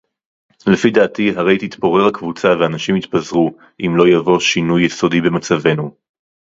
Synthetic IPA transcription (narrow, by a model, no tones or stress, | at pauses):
lefidaːtiɦaʁe̞jt̪it̪po̞ʁe̞ʁhakvut͡saveanaʃimit̪pazʁu | ʔimlo̞javo̞ʃinujːeso̞dibe̞mat͡save̞nu